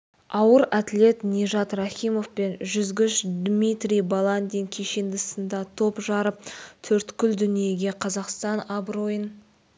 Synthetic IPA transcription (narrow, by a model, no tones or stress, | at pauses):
ɑwəɾæt̪le̞t̪nʲeʒɑt̪rɑχʲimo̞fpe̞nʒʏzɡʲɪʃd̪mʲit̪rʲijbalˠand̪iŋkʲʰeʃend̪ɪsənd̪ɑt̪ʰo̞pʒɑɾəp̚t̪ʰɵɾt̪kʲʏld̪ʏnije̞ɡʲe̞qʰɑzɑqst̪ɑnɑbɾo̞jən